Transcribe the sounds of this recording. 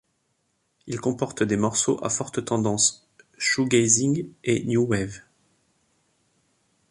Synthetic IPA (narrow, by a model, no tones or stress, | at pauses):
ilkɔ̃pɔʁt̪d̪emɔʁsoʔa̰fɔʁt̪ət̪ɑ̃d̪ɑ̃s | ʃuɡɛziŋɡenjuwɛv